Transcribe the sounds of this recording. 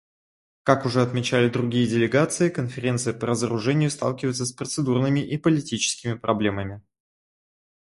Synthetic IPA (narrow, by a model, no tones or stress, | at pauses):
kakʊʐɛɐt̪mʲɪt͡ɕælʲɪd̪ɾʊɡʲijədʲɪlʲɪɡat̪sɨɪkənfʲɪɾʲe̞nt̪sɨjəpəɾəzəɾʊʐɛnʲɪjʊst̪ɑ̰lˠkʲɪvəɪt̪səspɾət̪sɨd̪urnɨmʲɪʔipəlʲɪtʲit͡ɕɪ̥skʲɪmʲɪpɾʔɐblʲe̞məmʲɪ